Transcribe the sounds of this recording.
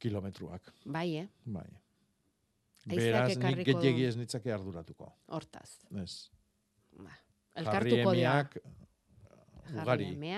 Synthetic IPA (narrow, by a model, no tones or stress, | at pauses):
kilo̞me̞t̪ɾua̰kbajba̰j | be̞ɾasnnirkiɡeeɣieznit͡sake̞aɾðuɾat̪uko̞̰oɾt̪a̰s | es | a | elɣaaɾriemeak | uɣaɾie